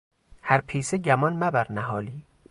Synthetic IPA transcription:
hæɾpʰiːseɟæmɒnmæbæɾnæɦɒːliː

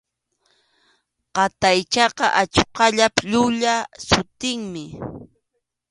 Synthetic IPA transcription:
qɑt̪ajt͡ʃɑqɑ̰ʔat͡ʃqɑʎapʎʊʎasʊt̪ɪŋmɪ

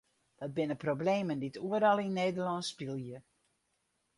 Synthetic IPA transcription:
dɔt̚bɪnəprobleːmənditʰuəɾɔlˠinːeːdərlɔnsːpilˠjə

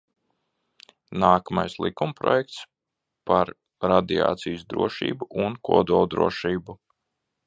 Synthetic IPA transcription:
naːkamajslˠḭkumpɾɔ̰jɛk̚t̪s | paɾ | ɾad̪ia̰ːt̪sijsd̪ɾuɔʃḭːbuʔunkuɔd̪ulˠd̪ɾṵɔʃiːbu

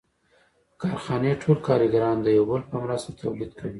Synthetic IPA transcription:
kɑɾxɑneʈʰolkɑɾiɡaɾɑnd̪əjawbəlpəmɾast̪at̪ʰawlid̪kʰawi

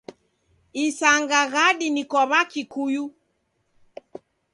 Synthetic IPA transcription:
isaŋɡaɣaɗinikɔβakikuju

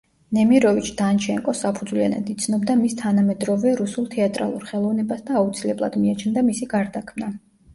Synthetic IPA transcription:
nɛmiɾɔvit͡ʃʰd̪̥ant͡ʃʰɛŋkʼɔsapʰud̪zvlia̰na̰d̪it̪sʰnɔbd̪amist̪ʰanamɛd̪ɾɔvɛɾusulˠt̪ʰɛat̪ʼɾa̰lˠuɾχɛlˠɔvnɛbasd̪aːut̪sʰilɛblˠa̰d̪miat͡ʃʰnd̪amisiɡaɾd̪akʰmna

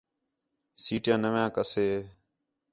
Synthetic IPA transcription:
siːʈjãːnəʋjãːkəseː

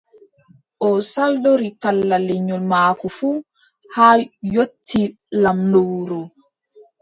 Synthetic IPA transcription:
ʔɔsaldoɾikalːalɛɲɔlmaːkɔfuː | haːjotʰːi | lamnowɾɔ

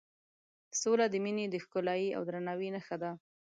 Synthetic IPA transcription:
solad̪əmined̪əxkʊlɑjia̰wd̪ɾanawinəxad̪a

